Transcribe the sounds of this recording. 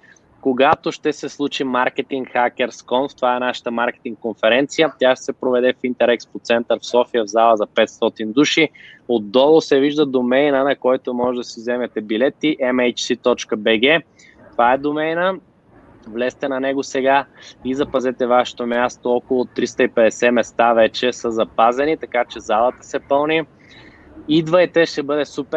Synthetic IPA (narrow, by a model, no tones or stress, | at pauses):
koɡat̪oʃt̪ɛsɛslˠut͡ʃimaɾkɛt̪iŋkxak̟ɛɾskɔnft̪ovaɛnaʃə̥t̪əmaɾkɛ̥t̪iŋkkːonfɛɾɛnt̪sijət̪ʲaʃt̪ɛ̥sɛpɾovɛd̪ɛfint̪ɛɾɛkspot̪sɛnt̪əɾfsɔfijəvzalˠəzɐpɛt̪st̪ɔt̪ind̪uʃiod̪ːɔlˠosɛviʒd̪əd̪omɛjnənɐkɔjt̪omɔʒɛd̪ɐsizɛmɛt̪ɛbilɛt̪ːiʔɛmɛjt͡ʃsit̪ɔt͡ʃkəbɛɡɛ | t̪ovaɛd̪omɛjnə | vlɛst̪ɛnɐnɛɡosɛɡaizɐpɐzɛt̪ɛvaʃɛ̥t̪omʲast̪oɔkolˠoːt̪ːɾist̪əipɛd̪ɛsɛmɛst̪avɛt͡ʃɛsəzɐpazɛnit̪ɐkat͡ʃɛzalˠət̪ə̥sɛpɤlˠni | id̪vəjt̪ɛʃt̪ɛbɤd̪ɛsupɛ